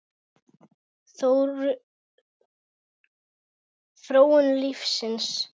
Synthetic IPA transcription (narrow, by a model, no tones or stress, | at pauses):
θowɾ | θɾoːwənlifsɪns